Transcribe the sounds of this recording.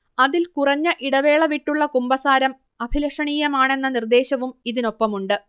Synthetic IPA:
ɐðilkurɐɲːɐʔiɽɐʋe̞ːɭɐʋiʈːuɭːɐkumbɐsaːɾɐm | ɐbʱilɐʂɐɳiːjɐmaːɳe̞nːɐnird̪e̞ːɕɐʋumiðino̞pːɐmuɳɖɨ

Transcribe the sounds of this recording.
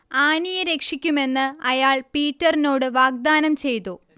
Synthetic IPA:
aːnijɐɾe̞kʂikʲːume̞nːɨɐjaːɭpiːtːɐrino̞ːɽɨʋaːɡ̚d̪aːnɐmt͡ɕe̞jt̪u

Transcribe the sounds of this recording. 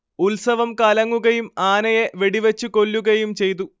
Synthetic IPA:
ulsɐʋɐmkɐlɐŋːuɣɐjumaːnɐjeʋe̞ɽiʋet͡ɕːuko̞lːuɣɐjumt͡ɕe̞jt̪̬u

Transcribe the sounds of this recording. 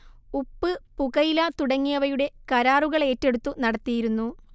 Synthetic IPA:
upːɨpuɣɐjilɐt̪uɽɐŋːijɐʋɐjuɽe̞kɐɾaːruɣɐɭe̞ːtːe̞ɽut̪ːunɐɽɐt̪ːijiɾunːu

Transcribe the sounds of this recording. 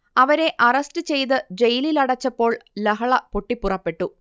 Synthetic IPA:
ɐʋɐɾe̞ʔɐrɐstɨt͡ɕe̞jt̪̬ɨd͡ʑe̞jililɐɽɐt͡ɕːɐpːo̞ːɭlɐɦɐɭɐpoʈːipːurɐpːe̞ʈːu

